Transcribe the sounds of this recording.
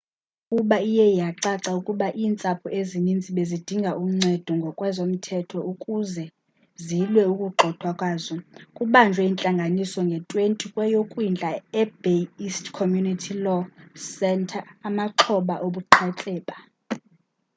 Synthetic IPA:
ukʼuɓaijɛijaǀaǀaukʼuɓaʔiːnt͡sʼapʰuʔezinind͡zʱiɓezid̥ʱiŋɡʱaʔum̩ŋ͡ǀʱɛd̥ʱɔŋɡʱɔkʼwɛzom̩tʰɛtʰɔukʼuzɛ | zilwɛukʼuɡ͡ǃʱɔd̥ʱwakʼwaːzɔkʼuɓand͡ʒʱwɛint͡ɬʼaŋɡʱanisɔŋɡʱɛtʼwentʼikʼwɛjokʼwind͡ɮʱaɛbeistʰkʰomjunitʰilɔsɛntʰaːmaǁʰɔɓaʔoɓuǃʰat͡ɬʼɛːɓa

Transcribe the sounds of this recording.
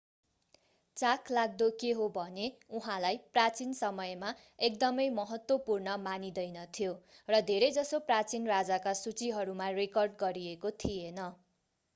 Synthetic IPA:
t͡sakʰlaɡ̚d̪okeɦobʱʌneuɦãlajprat͡sinsʌmʌjma | ek̚d̪ʌmʌjmʌɦʌt̪wʌpurnʌmanid̪ʌjnʌt̪ʰijorʌd̪ʱeɾʌjd͡zʌsoprat͡sinrad͡zakasut͡siɦʌɾumarekʌrɖɡʌɾiekot̪ʰijenʌ

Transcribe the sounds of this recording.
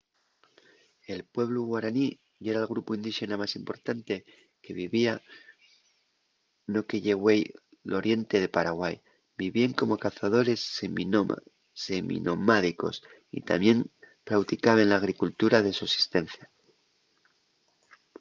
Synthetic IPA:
e̞lpwe̞βluɣwaɾani | ʝeɾalɣɾupoind̪ixe̞namasimpo̞ɾt̪ant̪e | ke̞βiβia | no̞keʝe̞ɣwej | lo̞ɾje̞nt̪e̞ðe̞paɾaɣwaj | biβjieŋko̞mo̞kaθaðo̞ɾe̞semi | semḭnʔo̞maðiko̞̰s | ḭt̪a̰mje̞m | pɾawt̪ikaβenlaːɣ̞ɾikult̪uɾaðe̞suesi̥st̪e̞n̟θja

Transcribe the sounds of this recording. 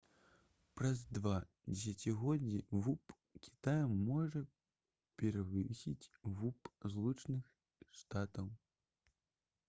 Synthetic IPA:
pɾɐzd̪va | d͡zʲɛs̬ʲat͡sʲiɣɔdd͡zʲːivup | kʲi̥t̪ajɐmːɔʐɐ | pʲɛɾavɨsʲit͡sʲvupzlˠut͡ʂnɨx | ʂt̪at̪ɐw

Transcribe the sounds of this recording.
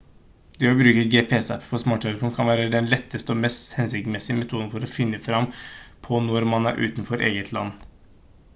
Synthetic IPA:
d̪ɛːɔbɾʉːkəɡeːpʰeɛsɛpːpʰɔsmɑːʈʰːɛləfuːnkʰɑnʋæːɾəd̪ɛnlɛt̪ːəst̪əɔmɛst̪hɛnsɪk̪mɛsɪəmɛt̪ʰuːd̪ənfɔɾɔfɪnːəfɾɑmːpʰɔnɔɾmɑnæ̰ɾʔʉ̰ːt̪nfɔɾʔḛːɡət̪ʰlɑ̰nː

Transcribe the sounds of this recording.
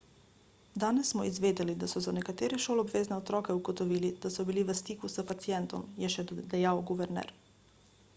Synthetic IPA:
d̪aːnɛsːmɔizʋeːd̪ɛlid̪asɔzanɛkat̪eːɾɛʃoːlɔbʋeːznɛɔt̪ɾɔːkɛuɡɔt̪ɔʋiːlid̪̥asɔbiliʋəst̪iːkusəpat̪sijɛnt̪ɔmjɛʃɛd̪ɛjawɡuʋɛɾnɛ̰ɾ

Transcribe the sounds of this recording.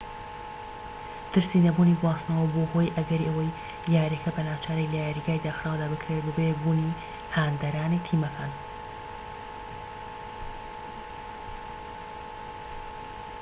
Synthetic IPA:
t̪ʰɨɾsinɐbuːniɡwaːsnɐwɐboho̞jʔɐɡɐɾiʔɐwɐj | ljaːɾekʰɐbɐnaːwt͡ʃʰaːɾɐjlajaɾiɡaːjd̪aːxɾaːwd̪aːbɨkʰɾeebɨbebuːni | haːnd̪ɐɾaːnit̪ʰiːmɐkʰaːn

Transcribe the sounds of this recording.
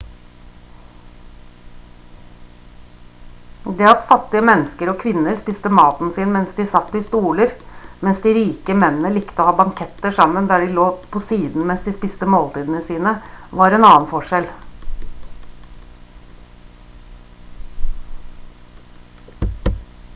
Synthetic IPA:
d̪ɛːɑt̪fɑt̪ːɪəmɛnːəskəɾɔːkʰʋɪnːəɾspɪst̪əmɑːt̪n̩siːnmɛnsd̪ɪːsɑt̪ːɪst̪uːləɾmɛnsd̪ɪɾiːkəmɛnənəlɪkt̪əoːhɑːbɑŋkʰɛt̪ːəʂɑmːənd̪æːɖɪloːpʰɔsiːd̪n̩mɛnsd̪ɪspɪst̪əmoːlt̪iːd̪ən̩əsiːnəʋɑɾɛnɑːənfɔʂɛl

